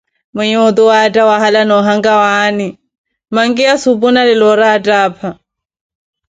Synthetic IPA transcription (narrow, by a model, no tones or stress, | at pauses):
mɛɲɛɔt̪uwaːtʼawaɦalanɔɦaŋɡawani | maŋkiasupunalɪlɔɾaːtʼaːpʰa